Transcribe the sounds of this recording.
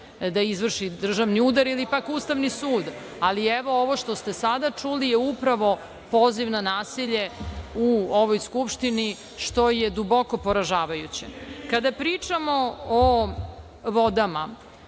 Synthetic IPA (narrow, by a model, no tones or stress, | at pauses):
d̪aizʋr̩ʃid̪r̩ʒaʋniud̪aɾilipakuːst̪aʋnisuːd̪ | alieʋo̞oʋo̞ʃt̪o̞st̪esad̪at͡ʂulijeupɾaʋo̞ | poːziʋnanaːsiʎe̞uoʋojskupʂt̪ini | ʃt̪o̞jed̪ubo̞ko̞po̞ɾaʒaːʋajut͡ɕḛkad̪apɾit͡ʂamo̞o | ʋod̪ama